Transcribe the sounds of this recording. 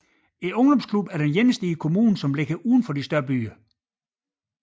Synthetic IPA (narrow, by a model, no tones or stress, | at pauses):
e̝nɔ̽ŋd̥ɒ̽mskʰlub̥æɐd̥enjenəsd̥iikʰo̝muːn̩sɒ̽mleɡ̥ɐʔuːð̞ˠn̩fɒ̽d̥isd̥ɶɐb̥y̰ːɐ